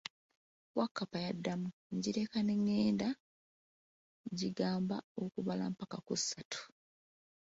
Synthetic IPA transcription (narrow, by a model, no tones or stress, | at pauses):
wakːapajadːamuɲɟiɾe̞kaneŋːeːnda | ɲɟiɡaːmbaokuβala̰mpakakusːatʰu̥